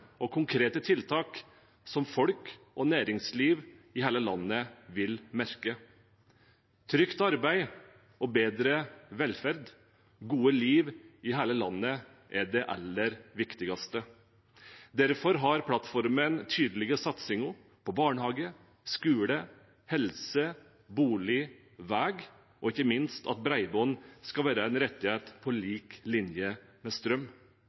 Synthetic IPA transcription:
ɔkʰʊŋkʰɾeːt̪ət̪ʰɪlt̪ʰɑːk | sɔmfɔlk | ɔnæːɾɪŋsliːʋɪhæːləlɑnːəʋɪlmæɾkə | t̪ʰɾʏkt̪ɑɾbæɪ | ɔbeːd̪ɾəʋɛlfæɾd̪ | ɡuːəliːʋɪɦæːləlɑnːə | ʔɛɖɛʔɛ̰lːəɾʋɪkt̪ɪɡɑst̪ə | d̪æɾfɔɾɦɑɾpʰlɑt̪fɔɾmənt̪ʰyːd̪əlɪɡəsɑt̪sɪŋʊ | pʰɔbɑːɳəhɑːɡə | skʉːlə | hɛlsə | buːlɪ | ʋæːɡ | ʔɔɪçəmɪnst̪ʰɑ̰t̪̚bɾæɪbɔːnskɑʋæːɾəɛnɾɛt̪ːɪheːt̪pʰɔliːklɪnjəmɛst̪ɾœm

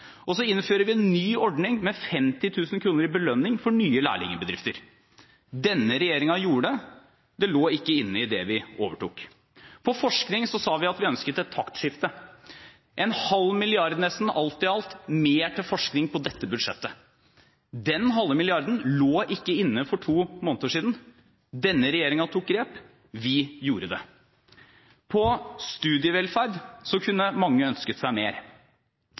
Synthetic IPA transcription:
ʔɔsɔɪnːføːɾəʋɪɛnːyːɔɖɳɪŋmɛfɛmt̪ɪt̪ʰʉːsnkʰɾuːnəɾɪbəlœnːɪŋfɔɳyːəlæ̰ːɭɪ̰ŋəbəd̪ɾɪft̪əɾ | d̪ɛnːəɾɛjeːɾɪŋɑjuːɖə | d̪ɛloːɪkːəɪnːəɪd̪ɛʋɪoːʋəʈṵːk | pʰɔfɔʂknɪŋsɔsɑːʋɪɑt̪ʋɪœnskət̪ɛt̪ʰːɑkt̪ʂɪft̪ə | ʔɛnhɑlmɪlɪɑɾd̪nɛst̪n̩ɑlt̪ɪɑlt̪meːʈʰɪlfɔʂknɪŋpʰɔd̪ɛt̪ːəbʉd̪ʂɛ̰t̪ːə | d̪ɛnɦɑlːmɪlɪɑɾd̪ən̩loːʔɪkːəɪnːəfɔʈʰuːmoːnt̪oːʂiːd̪n̩ | d̪ɛnːəɾɛjeːɾɪŋɑt̪ʰuːk̚ɡɾeːp | ʋɪjuːɾəd̪ɛ̰ | pʰɔst̪ʉːd̪ɪəʋɛlfæɾɖ̪sɔkʰʉnːəmɑŋːəœnskət̪sæɪmeːɾ

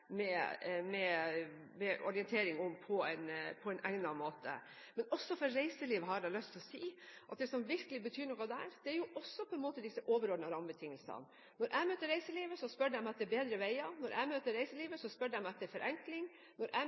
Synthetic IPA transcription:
mɛmɛ | mɛʔɔɾɪɛnt̪ʰeːɾɪŋʊmpʰɔɛ̰npʰɔɛnʔæɪnɑmoːt̪ʰə̰ | mɛnɔsːɔfɔɾɾæɪsəliːʋɦɑɖɛlœst̪ʰɔsiːʔɑ̰t̪̚d̪ɛsɔmʋɪɾkəlɪbət̪ʰyːɾɳɔkɑd̪æ̰ːɾd̪̥ɛæɾjʊʔɔsːɔpʰɔɛnmoːt̪əd̪ɪsəʔoːʋəɾɔːɖnəɾɑmbət̪ʰɪŋːəlsɑ̰n | nɔɾʔæɪmøːt̪ːəɾæɪsəliːʋəsɔspœɖəɛmɑt̪d̪ɛbeːd̪ɾəʋæɪɑnɔɾʔæ̰ɪmøːt̪əɾæɪsəliːʋəsɔspœɖæɪmɛt̪ːɛfɔɾʔɛŋklɪŋ | nɔɾʔæ̰

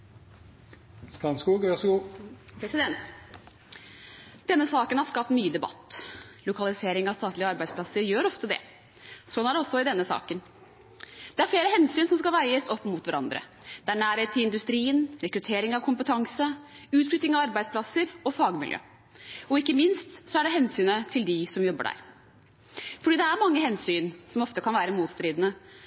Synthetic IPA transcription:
st̪ɑnskuːɡʋɑsɡuːpʰɾɛsɪd̪ɛnt̪ | d̪̥ɛnːəsɑːkənhɑɾʂkɑp̚t̪myːəd̪ɛbɑ̰t̪ːlʊkʰɑlˠɪseːɾɪŋɑʋst̪ɑːt̪lɪəɑɾbæɪdspʰlɑsəɾjøːɾɔft̪əd̪ɛ̰ | sɔnæɖɛɔsːɔɪd̪ɛnːəsɑ̰ːkən | d̪̥ɛæɾfleːɾəhɛnsyːnsɔmskɑlʋæɪəsɔpːmʊt̪ʋæɾɑ̰nd̪ɾə̰ | d̪̥ɛæɳæːɾheːt̪ʰːɪɪnd̪ʉst̪ɾiːənɾɛkɾʉt̪ʰeːɾɪŋɑʋkʰʊmpət̪ʰɑŋsə | ʉːt̪flʏt̪ːɪŋɑʋɑɾbæɪd̪spʰlɑsːəɾɔfɑːɡmɪljø̰ː | ɔɪkːəmɪnst̪sɔæɖɛɦɛnsyːnət̪ʰɪld̪ɪsɔmjɔbːə̰ɖæ̰ːɾ | fɔɖiːd̪ɛæɾmɑŋːəɦɛnsyːnsɔmɔft̪əkʰɑnʋæːɾəmuːt̪st̪ɾiːd̪ənə

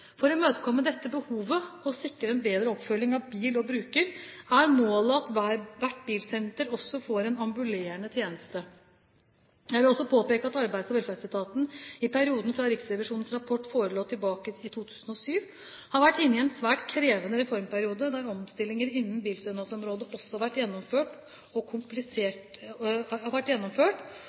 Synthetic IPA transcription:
fɔɾɔmøːt̪əkʰɔmːəd̪ɛt̪ːəbəhuːʋəɔsɪkːɾəɛnbeːd̪ɾəɔpfœlːɪŋɑʋbiːlɔbɾʉːkəɾæɾmoːləɑt̪ʋæʋæʈːbiːlsɛnt̪əɾɔsːɔfoːɾɛnɑmbʉleːɾənət̪ʰjeːnəst̪ə | jæɪʋɪlɔsɔpʰoːpeːkəɑt̪ɑɾbæɪsɔʋɛlfæt̪ɪlt̪ʰɑːt̪n̩ɪpʰæɾɪuːd̪n̩fɾɑɾɪksɾɛʋɪʂuːnən̩sɾɑpʰɔʈːfoːɾəloːt̪ʰːɪlbɑːkəɪt̪ʰuːt̪ʰʉːsənɔsyːʋ | hɑɾʋæʈːɪnːɪɛnsʋæːʈkʰɾeːʋənəɾɛfɔɾmpʰæɾɪuːd̪əd̪æɾɔmst̪ɪlːɪŋəɾɪnːənbiːlsœnɑsɔmɾoːd̪əʔɔsːɔhɑɾʋæʈːjɛnːɔmføːʈ | ɔkʰʊmplɪseːʈ | ɑʋæʈːjɛnːɔmføːʈ

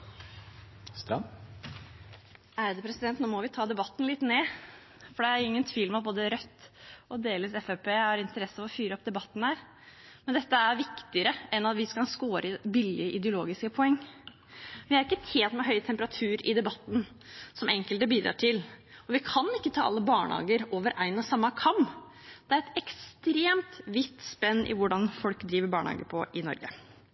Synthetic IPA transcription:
st̪ɾɑ̰m | æɾd̪ɛpʰɾɛsɪd̪ɛnt̪noːmɔʋɪt̪ʰɑːd̪ɛbɑt̪ːn̩lɪt̪neː | fɔɖɛæɾjʊɪŋːənt̪ʰʋiːlmɛɑt̪̚boːd̪əɾœt̪ːɔd̪eːləsɛfæpeːhɑɾɪnt̪əɾɛsːəʋɔfyːɾəɔp̚d̪ɛbɑt̪ːn̩hæːɾ | mɛnd̪ɛt̪ːəæɾʋɪkt̪ɪəɾəɛnɑt̪ʋɪskɑlskoːɾʔəbɪlɪəʔɪd̪əʊloːɡɪskəpʰɔɛŋː | ʋɪhɑɾɪkːət̪ʰeːnt̪mɛɦœʏt̪ʰɛmpəɾɑt̪ʰʉːɾɪd̪ɛbɑt̪ːn̩ | sɔmʔɛŋkəlt̪əbiːd̪ɾʔɑ̰ːʈʰɪlɔʋɪkʰɑnɪkːət̪ʰɑːɑlːəbɑːɳə̰hɑ̰ːɡəɾoːʋəɾʔæɪnɔsɑmːɑkʰɑm | d̪̥ɛæɾɛt̪ɛkst̪ɾeːmt̪ʋɪt̪spɛnːʔɪ̰ʋʊɖɑnfɔlkd̪ɾiːʋəɾbɑːɳəhɑ̰ːɡəpʰɔʔɪnɔ̰ɾɡə̰

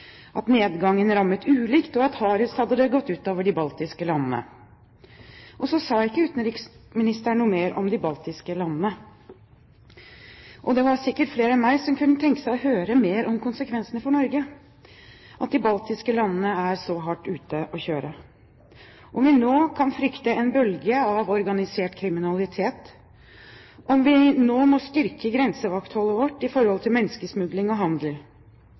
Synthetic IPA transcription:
ʔɑt̪neːd̪ɡɑŋːənɾɑmːət̪ʉːlɪkt̪ɔɑt̪hɑːɾʉshɑd̪ːəd̪əɡɔt̪ːʉːt̪oːʋəɖɪbɑlt̪ɪskəlɑnənə̰ | ʔɔsɔsɑːɪkːəʉːt̪ːn̩ɾɪksmɪnɪst̪əɳuːmeːɾʔɔ̰md̪ɪbɑlt̪ɪskəlɑnːnə | ʔɔd̪ɛʋɑɾsɪkːəʈfleːɾəɛmæɪsɔmkʰʉnːət̪ʰɛŋkə̥sæɪɔhøːɾəmeːɾʔɔmkʊnsəkʰʋɛnsənəfɔɳɔɾɡə | ʔɑt̪̚d̪ɪbɑlt̪ɪskəlɑnːənəæɾsɔɦɑʈːʉːt̪əʔɔçøːɾə | ʔɔmʋɪnoːkʰɑnfɾʏkt̪əɛnbœlɡəɑʋɔɾɡɑnɪseːʈkʰɾɪmɪnɑlɪt̪ʰeːt̪ | ʔɔmʋɪnoːmɔst̪ʏɾkəɡɾɛnsəʋɑkt̪hɔlːəʋɔʈːɪfɔɾhɔlt̪ʰɪlmɛnːskəsmʉd̪lɪŋɔɦɑnd̪l

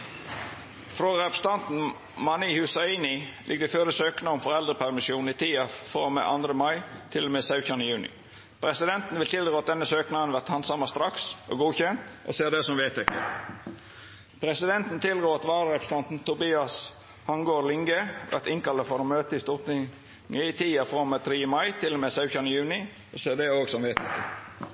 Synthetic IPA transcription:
fɾoːɾɛpst̪ɑnt̪n̩ | mɑnihʉsɑiːnɪlʔɪ̰ɡːəd̪ɛføːɾəsøːknəɔmfɔʁɛld̪ʁəpʰæʁmɪsuːn̩it̪ʰiːɑfɔʁmɛ̰ʔɑ̰nd̪ɾəmɑɪt̪ʰɪlːɔmeːsɑʉçɑnəjʉːnɪ̰ | pʰɾɛsɪd̪ɛnt̪n̩ʋɪlt̪ʰɪld̪ɾoːɑt̪̚d̪ɛnːəsøːknɑənʋæʁt̪hɑnsɑməst̪ɾɑksʔo̰ːɡuːçɛnt̪ʔɔ̰seːʁd̪ɛsɔmʋeːt̪ʰɛkːə̰ | pʰɾɛsɪd̪ɛnt̪n̩t̪ʰɪldɾoːɑt̪ʋɑːɾəɾɛpst̪ɑnt̪n̩t̪ʊbiːɑs | hɑŋɡoːlɪŋɡəʋʔæ̰ʁt̪ɪŋkɑləfɔɾoːmøːt̪əɪst̪ʊʁt̪ɪ | əɪt̪ʰiːɑfɔmeːt̪ʰɾiːəmɑɪt̪ʰɪlɔmeːsɑʉçɑnəjʉːnɪ | oseːʁd̪ɛoːɡsɔmʋeːt̪ʰɛkːə̰

